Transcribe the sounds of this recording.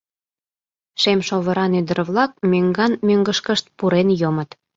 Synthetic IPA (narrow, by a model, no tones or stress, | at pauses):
ʃemʃoβəɾɑnyd̪ərβlɑk̚møŋɡɑnmøŋɡəʃkəʃt̪̚puɾenjomət̪